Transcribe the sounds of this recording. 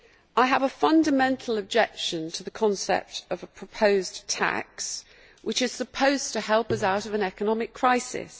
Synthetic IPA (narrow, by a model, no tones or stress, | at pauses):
ʔaɪəvəfʌ̃ndəmɛ̃ntʰˡl̩ˠəb̚d͡ʒɛkʃə̃ntʰəðəkʰɒ̃nsɛ̰p̚təvəpʰɹ̥əpʰəʊztʰa̰ks | wɪt͡ʃɪz̥səpʰəʊz̥tʰəhɛlˠpʌzaʊɾəvə̃nɛkənɒmɪkʰɹ̥aɪsɪ̰s